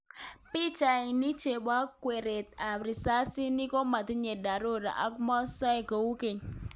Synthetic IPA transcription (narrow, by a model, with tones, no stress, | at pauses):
pi˦t͡ʃa˨ɪ˨ni˦t͡ʃe˨ba˦kːwe˨ɾe˨t̪̚a˨ɾi˨sa˦si˦ni˦ko˦ma˨t̪i˦ɲe˨da˨ɾo˦ɾa̰˨ʔa˦kmɔ˦sa˦jko˨wu˦ke˨ɲ